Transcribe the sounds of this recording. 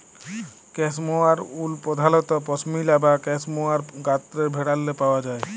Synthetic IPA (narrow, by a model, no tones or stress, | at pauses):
kɛsmoaɾulpɔd̪ʱalɔt̪ɔpɔsmilabakɛsmoaɾɡat̪ːɾeɾbʱeɽalːepaoad͡ʑae